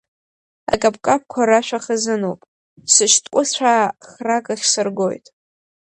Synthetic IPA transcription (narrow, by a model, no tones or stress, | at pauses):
a̰kʼapʰʼkʼap̚kʷʰaɾaʃʷᶣaχəzɨno̰wpʼ | sɨʃtʼkʷʼʊt͡sʷʰaχrakʼɨχʲsɨrɡo̞̰jtʼ